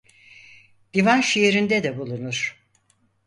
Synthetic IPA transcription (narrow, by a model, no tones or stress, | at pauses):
d̪̥ivanʃijeɾind̪ɛd̪ɛbulˠunuɾ̥